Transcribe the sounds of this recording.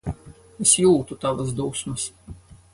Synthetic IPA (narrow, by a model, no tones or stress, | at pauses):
esjuːt̪ut̪aʋasd̪uːsmɐs